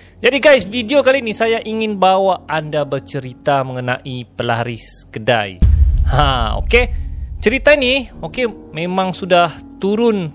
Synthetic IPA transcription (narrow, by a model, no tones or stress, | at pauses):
d͡ʒadiɡajsfidiokalinisajaʔiŋɪnbawaandabərt͡ʃəɾit̪aməŋəna̰ʔipəla̰ɾɪskəda̰jhão̰ket͡ʃəɾit̪ainioke | mẽmãŋsudah | t̪uɾʊn